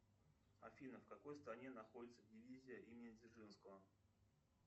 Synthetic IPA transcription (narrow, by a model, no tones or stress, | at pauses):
ɐ̰fʲinəfkɐko̞jst̪ɾɐnʲe̞nɐxo̞dʲɪt̪səvdʲɪvʲizʲɪjəʔimʲɪnʲɪdʲɪrʐɨnskəvə